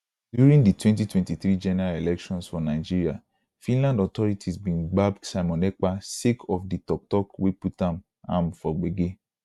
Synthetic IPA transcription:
djuɾĩŋditwɛ̃nt̬itwɛ̃ntiθɾid͡ʒɛnɛɾalelɛkʃɔ̃nsfɔnaɪd͡ʒiɾia | fĩnlãndɔtɔɾitʰizbĩnɡ͡babsaɪmɔ̃nɛk͡pasikʰɔfditɔk̚tɔkweputãm | amfɔɡ͡beɡe

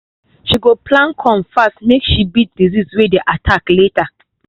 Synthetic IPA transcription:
ʃiɡopʰlãnkʰɔ̃mfastmekʃibit̚dizizwedeʔatʰakleta

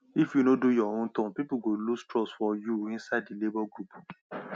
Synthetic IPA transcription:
ifjunodojɔhõtɔ̃pipuɡolustɾɔsfɔjuĩnsaɪddilebɔɡɾup

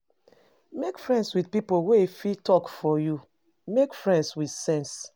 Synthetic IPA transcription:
mekfɹɛ̃ndswidpipowefitɔkfɔju | mekfɹɛ̃ndswid̥sɛ̃ns

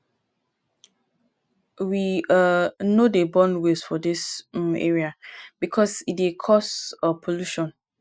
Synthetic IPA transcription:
wianodebɔ̃nwesfɔdisḛɹiab̥ikʰɔsitekʰɔsɔpʰoluʃɔ̃n

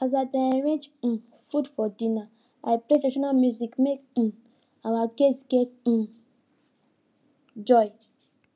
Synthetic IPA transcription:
azadaɹẽd͡ʒĩ | fudfɔdĩna | aɪpletaʃɔnalmjuzikmek̩ | awaɡesɡɛtĩn | d͡ʒɔj

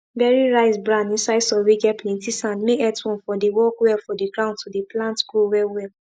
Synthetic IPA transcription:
bɛɹiɹaɪsbɹãnĩnsaɪdsɔweɡɛplĩtisãnmeʔɛtwɔ̃nfɔ̃dewɔkwɛlfɔ̃diɡɹãʊ̃ndtʰudeplãntɡɹowɛwɛl

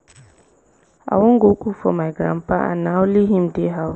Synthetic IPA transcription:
a̰wʊŋ̩ɡokʰufɔ̰mãɡɾã̰paʔã̰nãwʊliɦĩmdeɦaʊ

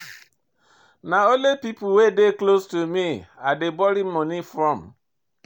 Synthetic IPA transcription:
naolepipuwedeklostumiadebɔɾimmɔnifɾɔ̃m̩

